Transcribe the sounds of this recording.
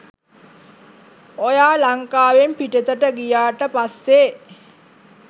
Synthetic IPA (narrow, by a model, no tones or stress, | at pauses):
ojaːlaŋkaːʋempiʈət̪əʈəɡijaːʈəpasːe